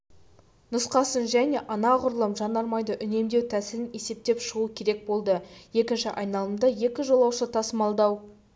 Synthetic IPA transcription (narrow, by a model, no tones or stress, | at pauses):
nʊsqɑsənʒæne̞ʔɑnɑʁʊɾəlˠəmʒɑnd̪ɑɾmɑjd̪əʔʏne̞md̪e̞wt̪ʰæsɪɾɪne̞se̞p̚t̪e̞pʃəʁukʲʰe̞ɾek̚bo̞lˠd̪əje̞kʲɪnʃɪʔɑjnɑlˠəmd̪ɑje̞kʲɪʒo̞lˠɑwʃət̪ʰɑsəmɑlˠd̪ɑw